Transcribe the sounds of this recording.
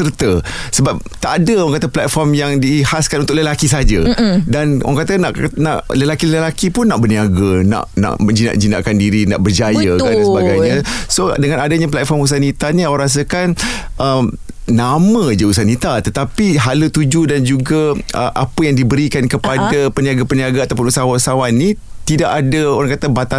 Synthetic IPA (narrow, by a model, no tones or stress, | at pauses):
sərt̪əsəbap̚t̪aʔːdəaŋkat̪aplat̪̚fɔrmjaŋdihaskanunt̪ʊʔləlakis̬aad͡ʒadan̰a̰ŋkat̪ənaʔna̰ʔləlakiləlakipʊnːaʔbərniaɡana̰ʔna̰ʔməd͡ʒina̰ʔd͡ʒinaʔkandiɾina̰ʔbərd͡ʒajakadansəbaɡajɲãsodəŋãnadaɲap̬laʔfɔmus̬anit̪aniawɾas̬əkanʔəm | namãd͡ʒəus̬anit̪at̪ət̪apiɦalət̪ud͡ʒudand͡ʒuɡaəʔapəjaŋdibəɾikankəpadapəniaɡapəniaɡaat̪awp̬ʊnusawausawanːi | t̪idaʔadaoɾaŋkat̪abat̪a